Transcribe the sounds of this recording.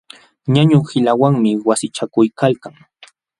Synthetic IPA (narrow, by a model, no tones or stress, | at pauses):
ɲaɲʊhɪlawaŋmɪwasɪt͡ʃakʊjkalkaŋ